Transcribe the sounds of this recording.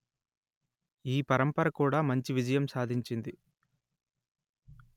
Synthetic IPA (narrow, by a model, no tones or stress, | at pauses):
iːpɐɾɐmpɐɾɐkuːɽaːmɐɲt͡ʃiʋid͡ʒɐjɐmsaːd̪ʱiɲt͡ʃind̪i